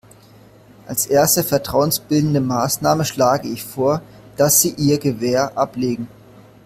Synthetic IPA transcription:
ʔalsʔeːɐstəfɛɐtʁ̥aʊənsb̥ɪldn̩dəmaːsnaːməʃlaːɡəɪçfoːɐ | d̥asz̥iːʔiːɐɡəvɛːɐʔapleːɡŋ̩

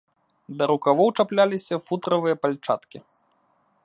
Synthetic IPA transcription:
d̪ɐɾukavɔwt͡ʂaplʲalʲisʲɐfut̪ɾɐvɨjɐpalʲt͡ʂa̰t̪kʲi

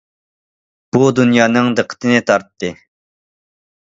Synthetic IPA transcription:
b̥ud̪unjɑːnɨŋd̪əqʰːə̥t̪ʰɨnɨt̪ʰɑɾt̪ːɨ

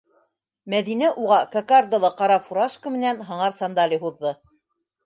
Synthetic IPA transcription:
mæðinæʔuʁɑkɐkard̪ŏlˠɤqɑɾɑfuɾɑʃkə̆mɘ̆nænɦɤ̆ɴɑɾsɑnd̪ɑlʲiɦuðːɤ

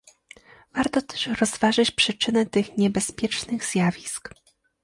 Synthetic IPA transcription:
vaɾt̪ɔt̪ɛ̥ʂɾɔzvaʐɘt͡ɕpʂɘt͡ʂɘnɛt̪ɘxɲɛbɛspʲjɛt͡ʂnɘɣz̥ʲjavʲisk

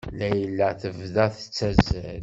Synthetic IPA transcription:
læjəlːæθəvðæθə̥t͡sːæzæl

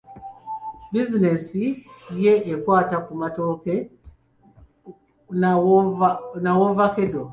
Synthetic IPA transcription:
bizinesijeʔːkwaːtakumatoke | nawovakedo

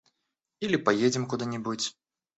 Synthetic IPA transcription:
ilʲipajed͡zʲɛmkud̪ɨnʲibɨt͡sʲ

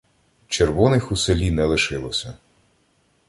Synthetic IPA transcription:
t͡ʃerʋɔnɪxuselʲinɛlˠɪʃɪlˠɔsʲɐ

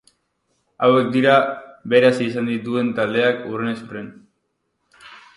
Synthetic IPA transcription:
awe̞k̚d̪iɾaβe̞ɾasisand̪it̪ue̞nt̪ald̪e̞akurenesuren

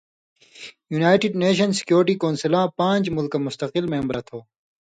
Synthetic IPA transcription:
juːnaːjʈiɖneːɕ̬ɐnsɪ̥kjoːɾʈiːkoːnsɐlãːpãːɲd͡ʑmʊlkamʊst̪ɐqɪlmẽːmbɾɐt̪ʰoː

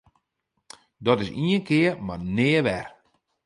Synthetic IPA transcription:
dɔtɪsiənkɪːərmarnɪːʋɛr

